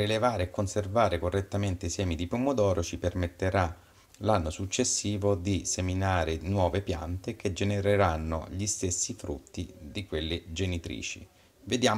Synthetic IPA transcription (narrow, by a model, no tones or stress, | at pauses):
ɾilevaːɾeːkːonservaːɾekorːet̪ːament̪eisɛːmid̪ipumːod̪ɔːɾot͡ʃipermet̪ːeɾa | lanːosut͡ʃːesːiːvod̪iseminaːɾenwɔːvepja̰nt̪ek̟ed͡ʒeneɾeɾanːo̰ʎist̪esːifɾṵt̪ːid̪ikwelːed͡ʒenit̪ɾḭːt͡ʃḭ | ved̪jaː